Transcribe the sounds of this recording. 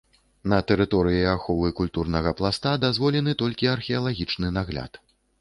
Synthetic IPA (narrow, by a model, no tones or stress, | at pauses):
nɐt̪ɛɾɨt̪ɔɾɨjiaxɔvɨkulʲt̪urnɐɣɐplˠast̪ad̪azvɔlʲɛnɨt̪ɔlʲkʲiɐrxʲɛɐlˠaɣʲit͡ʂnɨnaɣlʲa̰t̪